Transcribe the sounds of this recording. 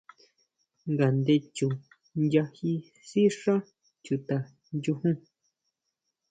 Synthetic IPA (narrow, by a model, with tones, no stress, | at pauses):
ŋɡa˨nd̪e˧t͡ʃũ˨ | nja˧hi˧ | si˦ʂã˦ | t͡ʃu˨t̪a˨ | nd͡ʒu˧hũ˦